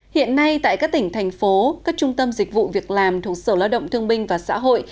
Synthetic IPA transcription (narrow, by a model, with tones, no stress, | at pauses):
hḭ˧˨ənːa˧jt̪a̰ː˧˨jkaː˦˥k̚t̪ï˧˩ŋ̟t̪ʰɛ˨˩jŋ̟fo˨˦kaː˦˥k̚t͡ɕʊ˧ŋ͡mt̪ə˧mzï˨˩k̟̚vṵ˧˨vi˨˩ək̚laː˨˩mt̪ʰu˨˩ək̚səː˧˩laː˧wɗə̰˧˨wŋ͡mt̪ʰɨ˧əŋɓï˧ŋ̟vaː˨˩sa̰ː˧˥ɦo̰˧˨j